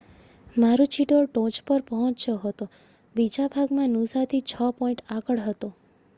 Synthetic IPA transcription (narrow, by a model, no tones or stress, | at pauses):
maɾut͡ʃiʈoʈõt͡ʃpəɾpəɦɔ̃t͡ʃt͡ʃoɦət̪o | bid͡ʒabʱaɡmãnusat̪ʰit͡ʃʰəpɔiɳʈakəɭɦət̪o